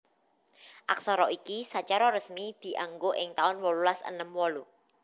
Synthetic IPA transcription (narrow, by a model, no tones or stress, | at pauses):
ʔaksɔɾɔikisat͡ʃaɾɔɾəsmid̪̥i̤ʔaŋɡoʔɪŋt̪aʊnwɔlulasə̰nəmwɔlu